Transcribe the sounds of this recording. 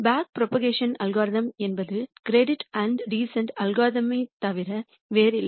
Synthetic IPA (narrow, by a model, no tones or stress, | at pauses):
baːk̚pɾoːpɐɡeːʂɐnɐlɡaːɾðɐmɛnbɐðɯkɾeːɖɪʈɐɳɖɾiːsɐɳʈɐlɡaːt̪ɐmit̪ɐʋɪɾɐ | ʋeːɾɪlː